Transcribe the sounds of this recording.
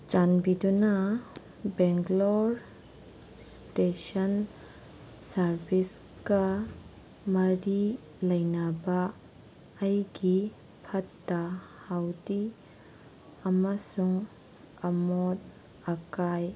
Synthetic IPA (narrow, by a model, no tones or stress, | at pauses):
t͡ʃanbiduna | beŋɡloɾ | stesɐn | sɐɾbis | kɐ | mɐɾi | lɐjnabaː | jɡi | pʰɐtːɐhawdi | ɐmasuŋ | ɐmot̚ | ɐkaj